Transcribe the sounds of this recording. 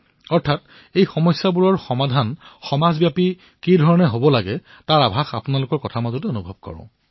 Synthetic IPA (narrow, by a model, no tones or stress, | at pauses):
ɔɹtʰat | ejxɔmɔjsːabuɹɔɹxɔmadʱanxɔmazbjapi | kidʱɔɹɔnɛɦobɔlaɡɛ | taɹabʱaxapʊnalʊkɔɹkɔtʰamazɔtionubʱɔb̚kɔ̰ɹɔ̰̃